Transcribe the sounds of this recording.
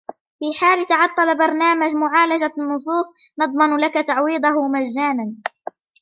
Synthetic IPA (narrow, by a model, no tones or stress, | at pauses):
fiːħaːlt̪ɑʕɑt̪ˤːɑlbɑɾˤnaːmad͡ʒmʊʕaːlad͡ʒanːʊsˤuːsˤ | nɑd̪ˤmɑnlakat̪aʕwiːd̪ˤɑɦʊmad͡ʒːaːnan